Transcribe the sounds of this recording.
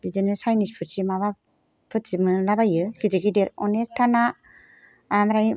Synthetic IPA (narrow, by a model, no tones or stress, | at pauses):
bizenɯsajnispʰɯt̚simaβa | pʰɯtsimɯlabajɯɡizeɡideɾɔnek̚tʰana | amɾaj